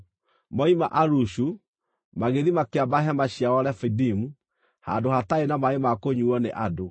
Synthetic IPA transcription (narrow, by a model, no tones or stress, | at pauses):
mɔima̰ʔaɾuʃu | maɣeðimakeabaɦɛmaɕiawɔɾɛfidimu | ha̰ndohataenamaemakoɲuɔnḛʔado